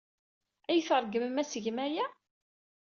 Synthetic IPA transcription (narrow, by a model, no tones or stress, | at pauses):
æjθəɾˤɡəmmæsəʝmæjæ